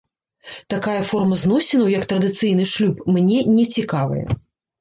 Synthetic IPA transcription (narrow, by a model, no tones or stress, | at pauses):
t̪akajɐfɔrmɐzn̪ɔsʲɪnɐwjɐkt̪ɾɐd̪ɨt̪sɨjnɨʂlʲupmnʲɛnʲɛt͡sʲikavɨ̰jɛ̰